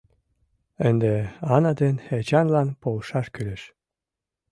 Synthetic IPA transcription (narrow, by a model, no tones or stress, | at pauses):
ənd̪eɑnɑd̪enet͡ɕɑnlɑnpolʃɑʃkyleʃ